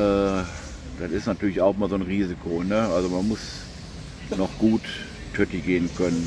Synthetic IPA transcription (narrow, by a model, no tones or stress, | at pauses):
ʔɛː | d̥anɪstnatʰyːɐlɪçaʊxʔɪmaɐzoːnʁiːzikʰonəʔalzomanmʊs | nɔχɡ̥uːt | tʰœtiɡeːənkʰœnən